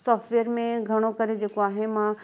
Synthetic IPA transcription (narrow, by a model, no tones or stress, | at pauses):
sɔːfʈʋeːəɾmẽɡʱɐɽ̃okɐɾed͡ʑeːkoaːɦemã